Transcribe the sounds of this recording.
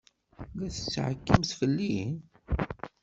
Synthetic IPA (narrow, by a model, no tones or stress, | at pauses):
ðæθə̥t͡sːʕəkːəmθfəlːin